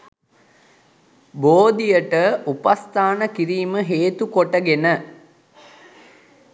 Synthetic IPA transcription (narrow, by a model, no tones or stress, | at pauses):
boːd̪ijəʈəupast̪ʰaːnəkiɾiːməɦeːt̪ukoʈəɡenə